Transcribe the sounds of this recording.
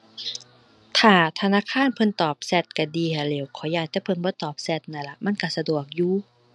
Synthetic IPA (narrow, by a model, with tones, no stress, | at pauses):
t̪ʰaː˨˩t̪ʰa˧naː˧˥˨kʰaː˧˥˨npʰɤ˧˥nt̪ɔː˨˩p̚sɛ˧˩t̪̚ka˧˩diː˧ha˧˩leː˨˩˦wkʰɔː˨˦jaː˧˩k̚t̪ɛː˧˩˦pʰɤ˧˥˨nbɔː˧˦t̪ɔː˨˩p̚sɛ˧t̪̚na˧˩˨la˧ma˧˥˨nka˧˩sa˧du˨˩ək̚juː˧